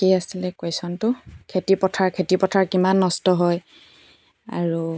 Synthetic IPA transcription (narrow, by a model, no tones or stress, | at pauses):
kiasilɛkwesɔntʊkʰetipɔtʰaɹkʰetipɔtʰaɹkimanːɔstɔɦɔj | a̰ɹu